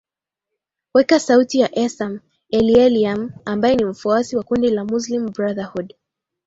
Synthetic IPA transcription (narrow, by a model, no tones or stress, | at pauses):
wɛkasautijaʔɛsam | ɛliɛliamambajɛnim̩fuasiwakundilamus̬lim̩bɾaðahud